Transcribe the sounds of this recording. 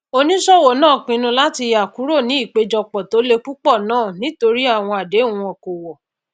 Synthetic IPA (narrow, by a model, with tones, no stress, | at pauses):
o˦nĩ˦sɔ˦wo˨nãː˦˨k͡pĩ˧nũ˧la˦ti˧ja˨ku˨˦ɾo˦˨nĩ˨˦i˦˨k͡pe˧˦d͡ʒɔ˧k͡pɔ˨to˨˦le˧ku˦k͡pɔ˦˨nãː˦˨nĩ˨˦to˧ɾi˦a˦˨w̃ɔ̃˧a˨de˨˦˨wɔ̃˧ɔ̃˨ko˨wɔ˨